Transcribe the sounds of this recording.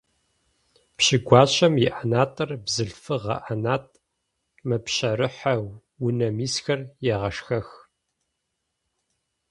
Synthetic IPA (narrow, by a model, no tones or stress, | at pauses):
pɕɪɡʷɑːɕʼɐmjɪʔanaːtʼɐrbzɨɮfɨʁɐ̰ʔanaːtʰʼ | mɨpɕɐɾɨħaw | wʊnɐmiːsxɐrjɛʁɐʂxɐx